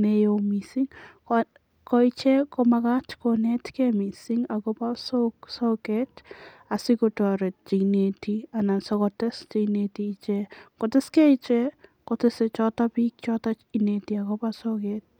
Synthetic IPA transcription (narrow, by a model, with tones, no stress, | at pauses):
ne˦jo˨misi˦ŋ | kɔi˦t͡ʃɛ˦kɔmaka˦t͡ʃkonɛ˦tkɛmi˨siŋa˨kɔpa˦soksokɛt | a˨sɪ˦kota˨ɾɛ˨t̚t͡ʃi˨ne˨tia˨na˨nsɔkɔtɛ˦st͡ʃi˧ne˨tiːt͡ʃɛ˦kɔ˨tɪ˦skɛ˦i˦t͡ʃɛ˦kotɪse˨t͡ʃɔ˦ta˦pi˦k̚t͡ʃɔ˦tat͡ʃi˨ne˨tia˨kɔ˦pasɔ˦kɛt̚